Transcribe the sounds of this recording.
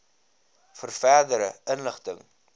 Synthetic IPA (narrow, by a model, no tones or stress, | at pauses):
fərfɛrdəɾəɪnləχtəŋ